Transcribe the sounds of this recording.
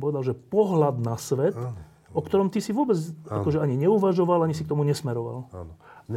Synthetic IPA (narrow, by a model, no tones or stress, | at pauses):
pɔʋɛd̪alʒɛpɔɦlad̪nasʋɛt̪ | ɔkt̪ɔɾɔmt̪isiʋʊɔbɛd͡zakɔʒɛaɲiɲɛuʋaʒɔʋalaɲisikt̪ɔmuɲɛsmɛɾɔʋa̰l